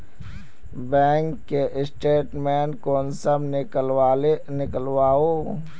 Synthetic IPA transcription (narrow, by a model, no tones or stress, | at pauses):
bɛ̃ːŋkːeʔɪsʈeːʈmɛ̃ːnkoːnsəmnɪkəlwaːlenɪkəlwaːoː